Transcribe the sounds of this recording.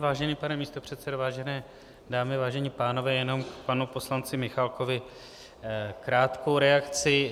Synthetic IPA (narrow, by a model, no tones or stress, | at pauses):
vaːʒɛniːpanɛmiːst̪o̞pr̥ɛt̪t͡sɛdovaːʒɛnɛː | daːmɪvaːʒɛɲiːpaːno̞vɛːjɛno̞mkpanupo̞slant͡sɪmɪxalko̞vɪ | kɾaːt̪ko̞wɾɛakt͡sɪ